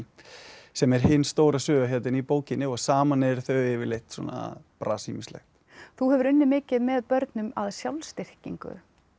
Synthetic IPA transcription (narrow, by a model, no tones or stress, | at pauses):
sɛmɛɾ̥hɪnːst̪oːwɾasʏːɣaçjɛt̪̬ɪnipoːwcɪnːɪɔɣsaːmanɛɾθœɥɪvɪɾlejhxt̪sɔ̰ːna̰pɾasimɪslɛ̰xt̪ | θuɦɛvʏɾʏnːɪmɪːcɪðmɛðpœɾt̪nʏmaðsjawlst̪ɪr̥ciŋkʏ̰